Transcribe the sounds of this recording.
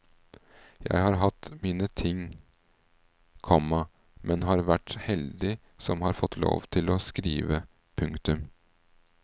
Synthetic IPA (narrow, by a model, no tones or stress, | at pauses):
jæ̰ɪhɑːɾɦɑt̪miːnət̪ʰɪŋ | kʰɔmɑ | mʔɛnɦɑːɾʋæʈhɛld̪ɪ | sɔmhɑɾfɔt̪ːlo̰ːʋt̪ʰɪlɔːskɾḭːʋə | pʰʉŋkt̪ʉm